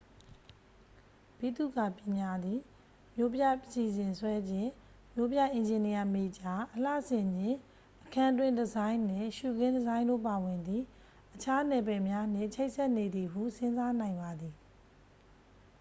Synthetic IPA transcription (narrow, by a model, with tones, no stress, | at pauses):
pi˦˨t̪ṵ˦˨ɡa˨pjɪ̃˨mja˦d̪ði˨ | mjo˦pja˦˨ʔəsi˨zɪ̃˨nswɛ˦d͡ʑɪ̃˦˨ | mjo˦pja˦˨ʔɪ̃˨ɲd͡ʑɪ̃˨ni˨ja˨me˨d͡ʑa˨ʔəla̰˦˨ʔsɪ̃˨mɪ̃˦˨ | ʔəkʰã˨dwɪ̃˦˨ndəzã˦ɪ̃nnɪ̃˦˨ʃu˨ɡɪ̃˦ndəzã˦ɪ̃ndo̰˦˨pa˨wɪ̃˨nd̪ði˨ | ʔət͡ɕʰa˦nɛ˨pɛ˨mja˦n̥ɪ̰̃˦˨t͡ɕʰe˦ɪʔsɛ˦ʔne˨d̪i˨ɦṵ˦˨sɪ̃˦nza˦n̥ã˨ɪ̃mba˨d̪i˨